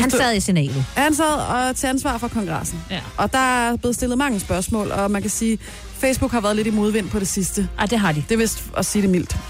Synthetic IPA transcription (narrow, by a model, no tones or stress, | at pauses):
hhænsɛðˠisinɛ̰ːlð̩hænsæð̰ˠɒ̽t͡sʰe̝ænsʋɑ̰̈ːfɒ̽kʰɒ̽ŋɡ̥ʁɑsn̩ʔɒ̽d̥ɑ̈æb̥le̝ð̩ˠsd̥e̝lð̩ˠmɑ̈ŋəsb̥ɶɐsmɔ̰ːlɒ̽mænkæsiː | fesb̥uɡ̥hɑ̈ʋæːɐð̞ˠle̝ɾimo̝ðˠʋen̰pʰɒ̽ɾ̥e̝sisd̥əad̥e̝ɦɑ̈did̥e̝ʋe̝sɒ̽siːɾ̥e̝mil̰d̥